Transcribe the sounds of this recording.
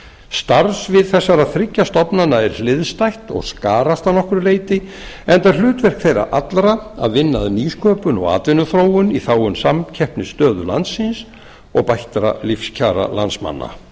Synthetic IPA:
st̪aɾsvɪðθɛsːaɾaðθɾɪcːast̪ɔpnanaɛɾ̥lɪðst̪ajht̪ɔ̰ɣskaːɾast̪anɔhkʏɾleːjt̪ɪ | ɛnt̪aɾlʏːt̪vɛr̥kθejɾa̰ʔat̪lɾaa̰ðvɪnːaðniːskʰœːpʏnɔ̰ɣa̰ːt̪vɪnːʏθɾoːwʏniθaːwʏnsamcʰɛhpnɪst̪œːðʏla̰nt̪sɪns | ɔɣpajht̪ɾa̰lifscʰaːɾa̰la̰nsma̰nːa̰

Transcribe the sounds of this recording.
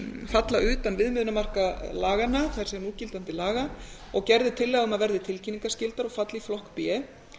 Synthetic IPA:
fat̪laʔʏːt̪anvɪðmɪðnamar̥kalaːɣanːaθaɾ̥sɛnuːcɪlt̪ant̪ɪlaːɣa | ɔɣcɛɾðɪt̪ʰɪlːɛːɣaɣʏmaðvɛɾðɪt̪ʰɪlcʰinːiŋkascɪlt̪aɾɔɣfat̪liflɔhkpjɛ

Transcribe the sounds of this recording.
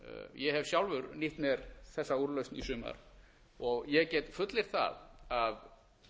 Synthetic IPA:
jɛhɛv̥sjawlvʏɾniht̪mɛɾθɛsːauɾlœɥstnisʏːma̰ɾ | ɔɣjɛɣcɛːt̪fʏt̪lɪɾ̥θa̰ðað

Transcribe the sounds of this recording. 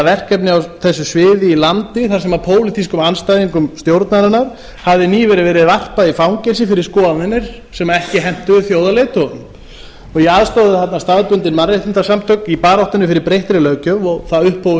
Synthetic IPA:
vɛr̥kɛpnɪawθɛsːʏsvɪːðɪilant̪ɪθḁsɛmapʰoːwlɪt̪ʰiskʏmanst̪ajðiŋkʏmst̪jowɾt̪naɾɪnːaɾ̥ | havðɪniːvɛɾɪvɛːɾɪðvar̥paðifawŋcɛnsɪfɪɾɪɾ̥skɔːanɪnːɪɾ̥ | sɛmaɛhcɪɦɛm̥t̪ʏðʏθjowðaleːt̪ɔʏmm | ɔɣjɛaːðst̪oːðɪθat̪nast̪aðpʏnt̪ɪnmaɾeht̪ɪnt̪asamt̪ʰœknipaːɾawht̪ʏnʏfɪɾɪɾpɾejht̪ɾɪlœːcœvɔɣθaðʏhpʰːow

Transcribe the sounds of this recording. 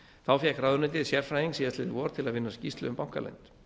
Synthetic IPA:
θawfjɛkɾaðʏɾnɛt̪̬ɪðsjɛɾ̥fɾajðiŋksiːðast̪ɪðvɔɾ̥t̪ʰɪlaðvɪnːascist̪lʏʏmpawŋ̥kalɛ̰jnt̪

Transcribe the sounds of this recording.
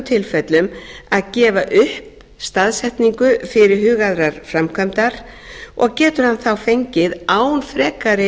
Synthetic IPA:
t̪ʰɪlfɛt̪lʏmaðcɛːvaʔʏhp | st̪aðsɛht̪niŋkʏfɪɾɪɾ̥hʏːɣaðɾaɾ̥fɾamkʰœmt̪aɾ̥ | ɔ̰ɣcɛːt̪ʏɾ̥hanθawfejɲcɪðaːwnfɾɛːkaɾɪ

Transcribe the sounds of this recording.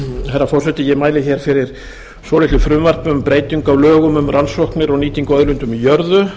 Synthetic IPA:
θɛrːafɔr̥sɛt̪ɪjɛmaːjlɪçɛːɾ̥fɪɾɪɾ̥ | sɔːlɪt̪ʏfɾʏmvar̥pʏmpɾeːjt̪iŋkawlœːɣʏmʏmrʔansɔhknɪɾɔɣniːt̪iŋkʏœðlʏnt̪ʏmijœɾðʏ

